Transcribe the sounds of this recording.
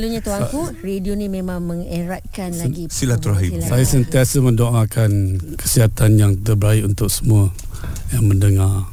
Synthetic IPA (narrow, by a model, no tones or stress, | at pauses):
luɲat̪uakuredionimẽmãŋməŋeɾat̪̚kanlaɡisilat̪uɾaɦisajasənt̪iasəmə̃ndoʔakʰankə̥siɦat̪anjaŋt̪əbəɾaiunt̪ʊk̚səmuə | jaŋməndəŋar